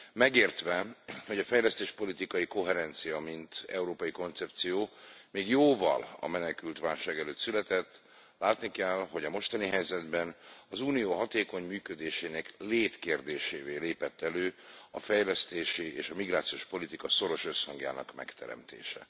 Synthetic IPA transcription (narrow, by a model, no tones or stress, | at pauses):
mɛɡeːrt̪ʋɛho̞ɟɒfɛjlɛst̪eːʃpo̞lit̪ikɒjiko̞ɦɛɾɛnt̪sijɒmint̪ɛuɾoːpɒjiko̞nt̪sɛp̚t̪sijoːmeːɡjoːvɒ̰lɒ̰mɛnɛkylt̪ʋaːlʃaːɡɛløːt̪sylɛt̪ɛt̪ː | laːt̪nikɛlɦo̞ɟɒmo̞ʃt̪ɒniɦɛjzɛd̪bɛnɒzuːnijoːɦɒt̪eːko̞ɲmyːkød̪eːʃeːnɛkleːt̪keːrd̪eːʃeːveːleːpɛt̪ːɛløːɒfɛjlɛst̪eːʃieːʃɒmiɡraːt̪sijoːʃpo̞lit̪ikɒso̞ɾo̞ʃøshɒŋɡja̰ːnɒ̰kmɛ̰kt̪ɛ̰ɾɛ̰mt̪ḛːʃɛ̰